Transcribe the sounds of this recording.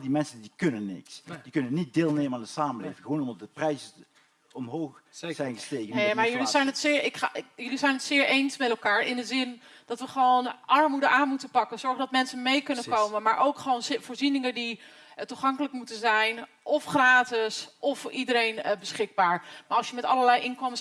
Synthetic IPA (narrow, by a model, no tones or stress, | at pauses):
dimɛnsəndikɵnənːɪ̰ksd̥ikɵnənːit̚deːlˠneːməandəsaːməlḛjvɪŋxəʋoːnɔmdɑdəprɛjzə | ɔmɦoːxzɛjnɣəstejkənejmaɹjəlisɛjnətsɪːɹɪkjɵlizɛjnətsɪːɹejnsmɛtɛlˠkaːɹɪndəzɪn | d̥ɑtʋəχəʋownʔɑɹmudəʔaːnmutənpɑkənz̥ɔɹχdɑtmɛnsəmejkɵnəkowmənmaːɹʔowkχəʋownfʊːɹzinɪŋəndi | tuχɑŋkələkmutənzɛjn | ʔɔfχraːtɪsʔɔfʔidəɾejnbəsχɪɡ̚baːɹmaːɹɑlˠsjəmɛtɑləɹlɛjʔɪnkɔməs